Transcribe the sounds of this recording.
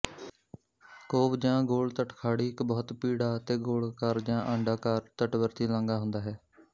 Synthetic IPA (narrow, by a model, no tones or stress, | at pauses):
koːbd͡ʒãːɡoːɭt̪əʈkʰaːɽiːɪkbɔːt̪piːɽaːt̪eːɡoːlkəɾd͡ʒãːʔə̃ɳɖaːkaɾt̪əʈbəɾt̪iːlãːŋɡaːɦʊ̃nd̪aːɦɛː